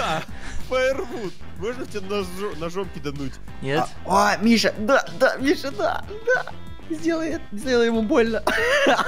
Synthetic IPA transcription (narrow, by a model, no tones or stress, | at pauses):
a | fəɪrvut̪̚ | moʐnətʲɪenɐonɐʐomkʲɪd̪ɐnutʲ | nʲe | omʲiʂəd̪ad̪amʲiʂəd̪a̰ | d̪a | zʲdʲelˠəjɛt̪zʲdʲelˠəjɪmubo̞lʲnə